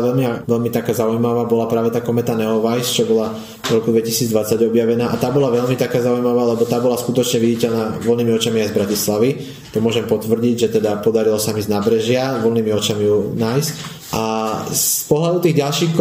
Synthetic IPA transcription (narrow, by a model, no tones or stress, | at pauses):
ʋɛlmiaʋɛʎmit̪akaːzaujmaʋaːbɔlapɾaːʋɛt̪aːkɔmɛt̪anɛɔʋajst͡ʃɔbɔla | vɾɔkud̪ʋɛcisiːd͡zd̪ʋat͡saɟɔbjaʋɛnaːʔat̪aːbɔlaʋɛʎmit̪akaːzaujmaʋaːlɛbɔt̪aːbɔlaskut̪ɔt͡ʃɲɛʋiɟicɛʎnaːʋɔlniːmiɔt͡ʃamiajzbɾacislaʋi | t̪ɔmʊɔʒɛmpɔt̪ʋr̩ɟiɟʒɛt̪ɛd̪apɔd̪aɾilɔsamiznaːbɾɛʒɪaʋɔlniːmiɔt͡ʃamijunaːjsc | ʔasspɔɦlad̪ut̪iːɣɟalʃiːxk